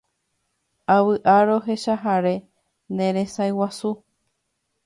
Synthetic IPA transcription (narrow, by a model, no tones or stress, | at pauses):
awɨʔaɾo̞ɦe̞ʃaɦaɾe̞ | nẽ̞ɾe̞sajwasu